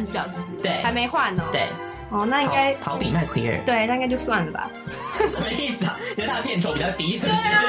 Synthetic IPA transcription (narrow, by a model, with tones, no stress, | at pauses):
n̩˥ljɑ˨˩ʊʈ͡ʂo˥˧ʂ̩˥˩t̪we˥˩ɪa˨˦ɪme˧˥ɪxwa˥˩nːə˩t̪we˥˩ɪ | ɔ˥˩na˥˧i˥ka˥ɪt̪ʰɑ˧˦ʊpi˨˩ma˥˩ɪkʰwi˧˥ə̰˞˥˩t̪we˥˩ɪna˥˧i˥ŋkt͡ɕo˥˧ʊswa˥˩nlə˩bɐ̰˩ | ʂə˨˩mə˧˦i˥˩sɹ̩˨˩ɐ˩˨˧t̪ʰa˥pʰjɛ˥˩nʈ͡ʂʰo˥ʊpi˨˩t͡ɕɑ˥˩t̪i˧˥sə˨˩ə˦ʂɻ̩˥˩